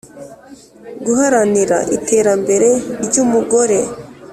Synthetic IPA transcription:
ɡuɦaɾaniɾa̰ʔitʰe̞ːɾambe̞ɾe̞ɾɟumuɡo̞ɾe̞

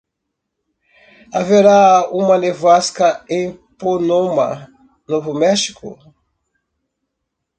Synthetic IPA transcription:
aveɾaũmɐnevaskɐẽj̃ponõmɐ̰ | novʊmɛʃi̥kʊ̰

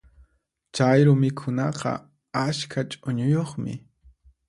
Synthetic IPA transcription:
t͡ʃajɾʊmɪkʰʊnɑqɑ̰ | askʰat͡ʃʼʊɲʊjoχmɪ̰

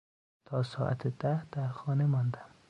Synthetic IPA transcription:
t̪ʰɒːsɒːʔa̰t̪ʰed̪æhd̪̥æɾxɒːnemɒnd̪am

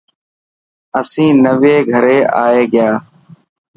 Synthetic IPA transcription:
əsĩːnəʋeːɡʱəɾeːʔaːeːɡɪjaː

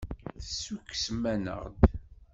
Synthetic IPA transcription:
θəsːukːsmænə̰ʁd̪

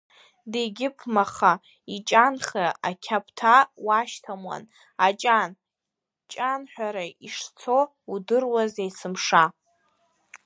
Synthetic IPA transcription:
deɡʲɪpʰmaχa | it͡ʃʼanχaakʲʰapʰʼtʰawaʃtʰamwa̰n | at͡ʃʼan | t͡ʃʼanħʷᶣaɾaiʂt͡sʰo̞ | udɨrwazejsʰɨmʂa

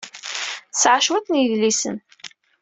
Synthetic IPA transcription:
sʕaʃwætnjəðlisə̰n

